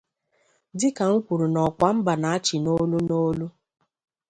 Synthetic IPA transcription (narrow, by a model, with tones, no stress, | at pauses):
dɪ˦ka˨ŋ̩˦kʷu˨ɾu˨nɔ˨kʷa˦m̩˦ba˨na˨a˦t͡ʃɪ˨no˦lu˦no˦lu˦